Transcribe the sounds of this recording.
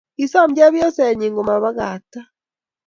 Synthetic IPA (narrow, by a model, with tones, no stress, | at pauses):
i˨sa˦md͡ʒa˦βjɔ˦sɛ˨ɲi˨ŋɡo˨ma˨βa˦ɣa˨ta˦